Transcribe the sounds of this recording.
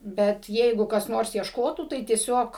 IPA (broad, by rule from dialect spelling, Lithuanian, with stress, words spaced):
ˈbʲɛt ˈjɛɪɡʊ kɐs ˈnoːrs iɛʃˈkoːtuː tɐɪ tʲiɛˈsʲoːk